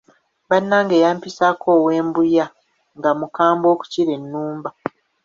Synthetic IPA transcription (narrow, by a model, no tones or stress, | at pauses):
βanːaːŋɡe̞ːjaːmpisakʰoːwe̞ːmbuja | ŋɡamukaːmbo̞ːku̥ciɾe̞nːuːmba